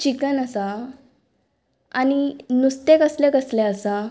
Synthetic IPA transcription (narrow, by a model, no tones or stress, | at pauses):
t͡ɕikənəsa | añinust̪ekəslekəslɛəsa